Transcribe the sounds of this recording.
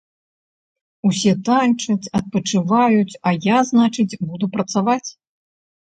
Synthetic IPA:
usʲɛt̪anʲt͡ʂɐt͡sʲɐt̪̚pɐt͡ʂɨvajut͡sʲɐjaznat͡ʂɨt͡sʲbud̪upɾɐt̪savat͡sʲ

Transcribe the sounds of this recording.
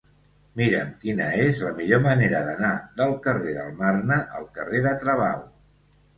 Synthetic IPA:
miɾəmkinəezləmiʎoməneɾəðənaðəlˠkəreðə̰lˠmarnəʔəlˠkəreðət̪ɾəβaw

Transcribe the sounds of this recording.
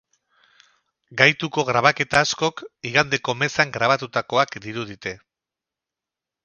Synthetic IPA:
ɡajt̪uko̞ɣɾaβ̞ake̞t̪aːsko̞kiɣand̪e̞ko̞me̞saŋɡɾaβat̪ut̪ako̞akd̪iɾuðit̪e̞

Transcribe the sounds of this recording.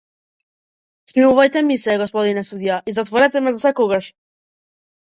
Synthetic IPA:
smimuvajt̪ɛmisɛɡɔspɔd̪inɛsud̪iaizat̪vɔɾɛt̪ɛmɛzasɛkɔɡaʃ

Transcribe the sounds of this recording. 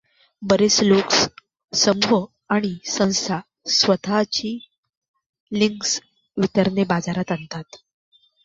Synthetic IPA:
bəɾesloks | səmʋə | aɽ̃isə̃w̃sa | sʋət̪ʰat͡ɕiː | liŋks | ʋit̪əɾnebad͡zaɾat̪ənt̪at̪

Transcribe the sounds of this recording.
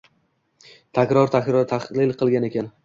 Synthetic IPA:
t̪ʰakʲɾɒɾt̪ʰakʲɾɒɾt̪ʰaχlɪlqʰɨlˠɡʲane̞kʲʰan

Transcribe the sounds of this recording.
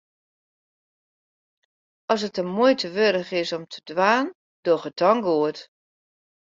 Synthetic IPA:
ɔsətəmojtʰəʋøɾəɣɪsɔmtʰə̥dʋaːn | d̥oxət̚ʰɔŋɡoət

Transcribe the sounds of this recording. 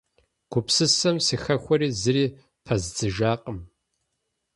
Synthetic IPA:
ɡ̥ʷʊpsɨsɐmsixɐxʷɔɾiːzɨɾiː | pʰɐzd͡zɨʒaːqʼəm

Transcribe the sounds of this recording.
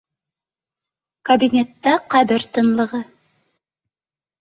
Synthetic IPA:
kɐbʲinʲet̪ːɑqæβɘɾt̪ɤ̆nlˠɤ̆ʁɤ

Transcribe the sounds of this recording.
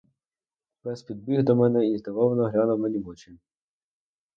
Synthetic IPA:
bɛspʲid̪̚bʲiɣd̪ɔmɛnɛit̪eʋɔʋɐnɔɦɾʲanɔwmɛnʲimɔt͡ʃɪnʲ

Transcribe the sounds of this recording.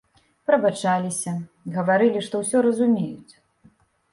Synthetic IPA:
pɾɐbat͡ʂalʲisʲɐ | ɣɐvaɾɨlʲiʂt̪ɔwsʲɔɾɐzumʲejut͡sʲ

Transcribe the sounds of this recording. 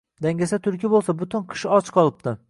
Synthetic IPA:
d̪aŋʲasat̪ʰʊɾkʲɪbolˠsabʊt̪ʰɪnqʰɨ̥ʃɒt͡ʃqʰɒlˠɪp̚t̪ɪ

